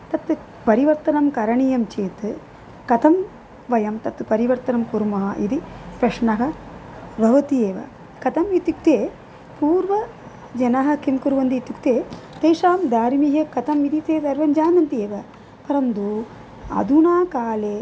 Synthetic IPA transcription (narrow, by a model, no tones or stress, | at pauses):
t̪ɐt̪ | pɐɾiʋɐɾt̪ɐnɐmkɐɾɐɳijɐmt͡ʃeːt̪ɨ | kɐt̪ʰɐm | ʋɐjɐmt̪ɐt̪pɐɾiʋɐɾt̪ɐnɐmkuɾmɐɦɐʔḭd̪ipɾɐʂɳɐɦɐ | bʱɐʋɐt̪ieːʋɐ̰ | kɐt̪ʰɐmit̪juk̚t̪eː | puːɾʋɐ | d͡ʒɐnɐɦɐ̆kimkuɾʋɐnd̪iːt̪jukt̪eːt̪eːʂaːmd̪aːɾimiɦɐkɐt̪ɐmid̪it̪eːd̪ɐɾʋɐnd͡ʒaːnɐnt̪ieːʋɐ | pɐɾɐnd̪u | ɐ̰d̪unaːkaːleː